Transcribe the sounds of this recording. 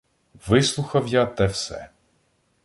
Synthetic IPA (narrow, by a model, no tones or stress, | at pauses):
ʋɪslˠuxɐwjat̪ɛwsɛ̰